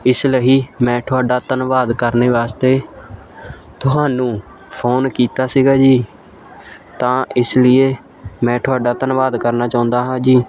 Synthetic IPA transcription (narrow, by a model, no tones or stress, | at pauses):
ɪsləiːmɛ̃ːʈʰʊaːɖaːt̪ənʋaːd̪kəɾneːʋaːst̪eː | t̪ʊɦaːnũː | pʰoːnkiːt̪aːsiːɡaːd͡ʒiː | t̪ãːʔɪslɪeː | mɛ̃ːʈʰʊaːɖaːt̪ənʋaːd̪kəɾnaːt͡ʃãːʊ̃nd̪aːɦãːd͡ʒiː